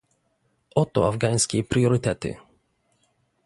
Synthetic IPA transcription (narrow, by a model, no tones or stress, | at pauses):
ʔɔt̪ɔ̰avɡaj̃skʲɛpɾjɔɾɘt̪ɛt̪ɘ̰